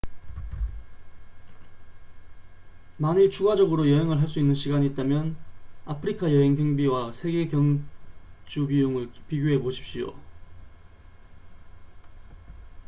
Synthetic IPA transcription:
manit͡ɕʰuɡad͡ʑʌɡɯɾojʌɦeŋɯɭɦaɭs͈uinːɯnɕʰiɡaɲiːt͈amjʌnapʰɯɾikʰajʌɦe̞ŋɡjʌŋbiwasʰe̞ɡe̞kjʌŋ | d͡ʑubijuŋɯɭpiɡjoɦe̞poɕʰi̥p̚ɕ͈ijo̰

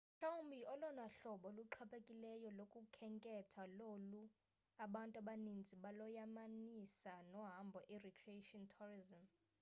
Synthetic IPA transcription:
ʃaumbʱiɔlɔnaɬɔɓɔluǃʰapʰʼekʼilɛjɔlokʼukʰɛŋkʼɛtʰalolu | aɓantʼaɓanind͡zʱiɓalɔjamanisanɔɦambʱɔʔirɛkʰrietʼɔntʰurizɔm

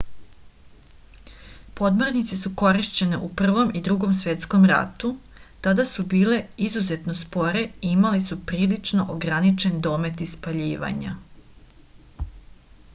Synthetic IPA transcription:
po̞d̪moɾnit̪sesuko̞ɾiʃt͡ɕe̞ne̞ʔupr̩ʋo̞mʔid̪ɾuɡo̞msʋje̞t̪sko̞mɾa̰t̪u | t̪ad̪asubiːle̞izuze̞t̪no̞spo̞ɾe̞iimalisupɾiːlit͡ʃno̞ʔoɡɾanit͡ʃe̞nd̪o̞ːme̞t̪ispaʎiːʋa̰ɲa̰

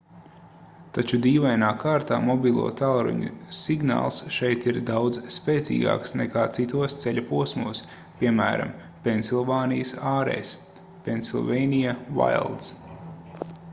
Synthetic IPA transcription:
t̪at͡ʃud̪iːvajnaːkʰaːɾt̪aːmɔbʲilˠṵɔt̪alˠɾṵɲṵsiɡna̰ːlˠsʃɛjt̪iɾd̪awd̪zspɛːt̪sḭːɡa̰ːksnɛ̰kaːt̪sit̪uɔst̪sɛlʲapuɔsmuɔs | pʲiɛmæ̰ːɾa̰m | pʲensilˠvaːnijəsaːɾɛ̰js | pʲensilˠvɛjnijava̰jlˠd̪s

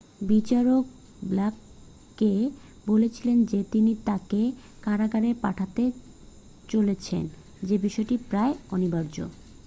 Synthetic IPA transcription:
bit͡ɕaɾok̚ | blakː | e | bolet͡ɕʰilend͡ʑet̪init̪ake | kaɾaɡaɾepaʈʰat̪e | t͡ɕolet͡ɕʰḛn | d͡ʑebiʃɔeʈipɾaeonibaɾd͡ʑo̰

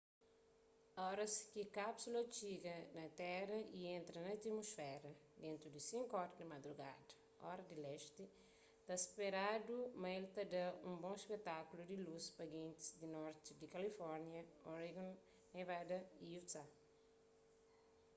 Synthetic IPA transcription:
ɔɾɐskikapsulɐt͡ʃiɡɐnɐt̪ɛɾɐʔiẽnt̪ɾɐnɐt̪imosfɛɾɐd̪ẽnt̪ɾud̪isĩŋkɔɾɐd̪ɐmɐd̪ɾuɡa̰d̪ɐ | ɔ̰ɾɐd̪ilɛʃt̪i | t̪aspeɾad̪umɐelt̪ɐd̪ɐũbõspet̪akulud̪iluspɐɡẽnt̪i̥sd̪inɔɾt̪id̪ikɐlifɔɾnjɐoɾiɡõn | nevad̪ɐiut̪a

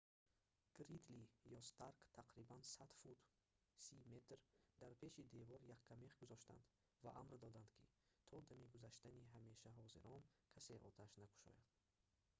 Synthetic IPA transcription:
ɡ̥ɾid̪lijɔst̪ʰaɾkt̪ʰaqɾibansad̪fut̪ | sime̞t̪ʰɾd̪aɾpʰe̞ʃid̪e̞vɔɾjakʰːameχɡuzɔʃt̪a̰nd̪ | va̰ʔamɾd̪ɔd̪and̪kʰit̪ʰɔd̪amiɡuzaʃt̪aniɦame̞ʃaɦɔziɾɔnkʰase̞ʔɔ̰t̪ʰaʃnaku̥ʃɔ̰jad̪̥

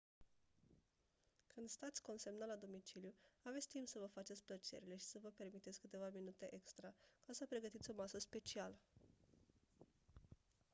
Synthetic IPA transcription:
kɨnd̪st̪at̪sʲko̞nsemnalad̪o̞mit͡ʃiljuavet̪sʲt̪impsəvəfat͡ʃe̞t̪sʲplət͡ʃe̞̰ɾile̞ʃi̥səvəpe̞rmit̪et̪sʲkɨt̪e̞vaminut̪e̞ʔekst̪ɾakasəpɾe̞ɡət̪it̪sʲo̞masəspe̞t͡ʃialə

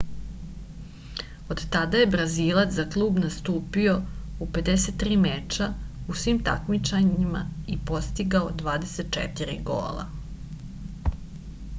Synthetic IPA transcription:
o̞d̪t̪ad̪aje̞bɾazilˠat̪zaklˠuːbnast̪uːpio̞upe̞d̪eset̪ːɾiːmet͡ʃausʋiːmt̪a̰kmit͡ʃaɲima̰ipo̞st̪iɡaod̪ʋaːd̪e̞set̪̚t͡ʃḛt̪iɾḭɡo̰ːlˠa̰

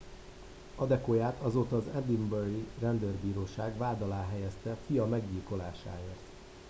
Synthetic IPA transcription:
ɒd̪ɛkojaːt̪ʰɒzoːt̪ɒːzɛd̪imbøɾirɛnd̪ørbiːɾoːʃaːɡʋaːd̪ɒlaːɦɛjɛst̪ɛfijɒmɛɡɟiːlko̞laːʃa̰ːeːrt̪

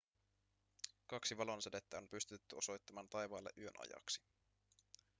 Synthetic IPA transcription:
kɑksiʋɑlo̞nsede̞t̪ːæo̞mpyst̪yt̪ːyo̞so̞jt̪ːɑmɑːnt̪ɑjʋɑːlːḛʔyø̞nɑ̰jɑ̰ksi̥

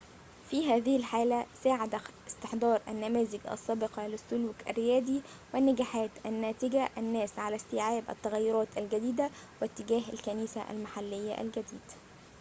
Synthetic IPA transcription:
fiɦæːðɪhɪlħaːlæsaːʕad̪æɪst̪ɪħd̪ɑːɾˤʔæ̰nːæmæːzɪɡʔɑ̰sːæːbɪqɑlɪsːʊluːkʔæ̰rːɪjæːd̪i | wɪnːæɡæːħaːt̪ʔænːæːt̪ɪɡæʔænːæːsʕalæst̪ɪːʕaːbʔæ̰t̪ːæɣæjːʊɾˤɑːt̪ʔælɡæd̪iːd̪æwɪt̪ːɪɡæːɦælkæniːsæʔæ̰lmaħalːɪjːa̰ʔæ̰lɡæd̪iːd̪̥

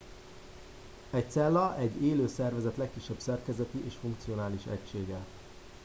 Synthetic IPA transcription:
ɛc̚t̪sɛlːɒʔɛɟːeːløːsɛrvɛzɛt̪lɛkːiʃːɛbsɛrkɛzɛt̪iʔeːʃfuŋk̚t̪sio̞naːliʃɛ̰cʃeːɡɛ

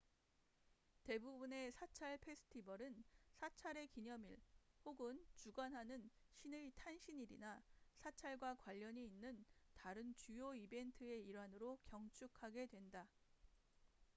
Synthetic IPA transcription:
te̞bubune̞sʰat͡ɕʰaɭpʰe̞sʰɯ̥tʰibʌɾɯnsʰat͡ɕʰaɾe̞kiɲʌmiɭhoɡɯnt͡ɕuɡwanɦanɯn | ɕʰinɯɭtʰanɕʰiɲiɾḭnasʰat͡ɕʰaɭɡwakwaʎːʌɲiːnːɯntaɾɯnt͡ɕujoibe̞ntʰɯe̞iɾwanɯɾokjʌŋt͡ɕʰukʰaɡe̞dwe̞nda

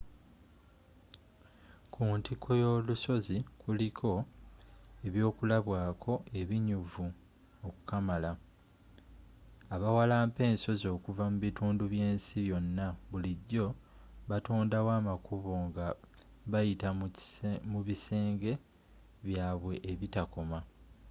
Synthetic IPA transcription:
kʰuntikʰo̞jo̞luso̞zikulikʰo̞ | e̞βjo̞ːkulaβwaːkʰo̞ʔeβiɲuvu | oku̥kamala | aβawalaːmpe̞ːnso̞zo̞ːkuvamuβituːnduβje̞ːnsiβjo̞nːaβuliɟːo̞ | βatuːndawaːmakʰuβo̞ŋɡa | βajita | muβise̞ːŋɡe̞ | βjaːβwe̞ʔeβitako̞ma

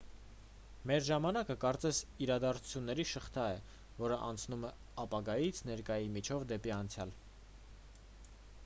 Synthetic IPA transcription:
mɛɾʒɑmɑnɑkəkɑɾt͡sɛsiɾɑd̪ɑɾt͡sʰu̥t͡sʰjunːɛɾiʃəχt̪ʰɑɛ | vɔɾəʔɑ̰nt͡sʰnumɛ | ɑpɑɡɑjit͡sʰnɛɾkɑjimit͡ʃʰɔvd̪ɛpiɑnt͡sʰjɑl

